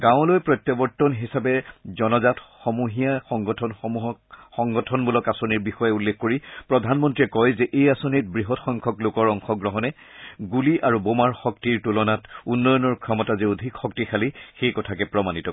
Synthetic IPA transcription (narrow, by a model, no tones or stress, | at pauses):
ɡãʊ̃lojpɹɔt̪jɔbɔɹtːɔnɦisabɛzɔnɔzatxɔmuɦijaxɔŋɡɔtʰɔnxɔmuɦɔxɔŋɡɔtʰɔnbulɔkasoniɹbixɔjɛulːexkoɹipɹɔdʱanmɔntɹiɛkɔjzɛʔejasonit̚bɹiɦɔtxɔŋkʰɔklokɔɹɔŋxɔɡɹɔɦɔnɛ | ɡuliʔaɹubomaɹxɔk̚tiɹtulɔnatunːɔjɔnɔɹkʰɹɔmɔtaziodʱikxɔk̚tixʰalixejkɔtʰakɛpɹɔmanitɔ